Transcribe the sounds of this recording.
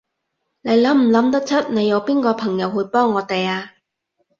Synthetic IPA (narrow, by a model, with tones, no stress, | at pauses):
ne˨˧jlɐ˨˥mm̩˨˩lɐ˨˥mt̪ɐ˥k̚t͡sʰɐ˥t̚ne˨˧jːɐ˨˧wpiː˥nkɔː˧pʰɐ˨˩ŋjɐ˨˧whu˧˥pɔː˥ŋːɔː˨˧t̪e˨jaː˧